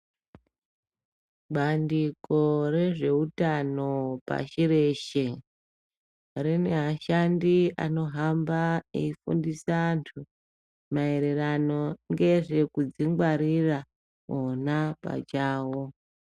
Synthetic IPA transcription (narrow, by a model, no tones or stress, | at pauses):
ɓandiko̞ɾe̞ʐe̞utanopa̰ʃiɾe̞ʃe | ɾine̞ɦaʃandiano̞ɦambaḛifṵndisantʰu | mae̞ɾe̞rano̞ŋɡe̞ʐe̞kud͡ziŋɡwaɾira | ɦonapa̰t͡ʃaːwo